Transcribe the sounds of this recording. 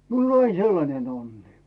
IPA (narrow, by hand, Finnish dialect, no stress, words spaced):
miul on ɑin selːɑnen onːi